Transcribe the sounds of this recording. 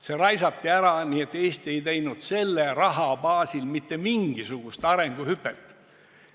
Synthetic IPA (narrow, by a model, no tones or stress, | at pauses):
se̞ɾɑjsɑt̪ːiæɾɑniːet̪ːe̞ːst̪e̞jt̪ejnud̪̥se̞lːerɑɦɑbɑːsilmit̪ːe̞miŋɡ̥isuɡ̥ust̪ɑɾe̞ŋɡ̥uhypːˑet̪ː